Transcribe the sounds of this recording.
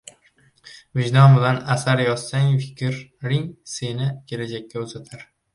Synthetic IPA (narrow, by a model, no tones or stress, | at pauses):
vɪʒd̪ɒnbɪlanasaɾjɒsːaŋfɪ̥kʲʰɾːɪŋse̞nɪkʲʰe̞lad͡ʒakʲːaʊzat̪ʰaɾ